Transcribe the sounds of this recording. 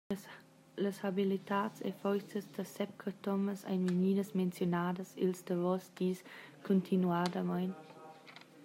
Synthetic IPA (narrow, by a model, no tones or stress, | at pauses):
ləshabilitaːtt͡sḛfɔjsəsdəsɛp̚kʰətɔməsa̰jnməniːdəsment͡sjonaːdəsilsdəvɔsd̥iːskʰontʰinuadəmajn